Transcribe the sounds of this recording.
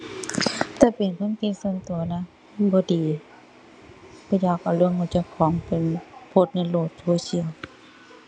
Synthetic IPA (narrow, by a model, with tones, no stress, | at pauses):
t̪ɛː˧˩pe˨nkʰɤ˧˥˨nki˧˥su˧nt̪u˨˩ɐna˧˥˨ | bɔː˧˦diː˨˦ | bʰɔː˧˦jaː˧˩ka˧˩lɯ˧əŋka˧˩t͡ɕa˧˩kʰɔː˨˦ŋpe˨npʰo˧˩t̪̚na˧˥˨loː˧˩t̪̚soː˧si˧˨ə˨w